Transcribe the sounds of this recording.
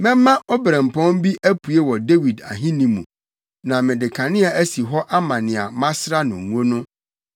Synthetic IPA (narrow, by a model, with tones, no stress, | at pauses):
mɛ̃˦mːã˦ʔo˦bɾã˨m˨pʰɔ̃˦m˦bi˦ʔæ˦pʰu˨e˦wɔ˨de˦wi˨da̰˨ɦĩ˦nĩ˨mũ˨ | nã˨mɪ̃˨dɪ˨kʰã˨nɪ̃˦a˨æ˦si˨ɦɔ˦ʔa˦mã˨nɪ̃˨a˨mã˦sɾa˦nʊ̃˨ŋ˨o˦nʊ̃˦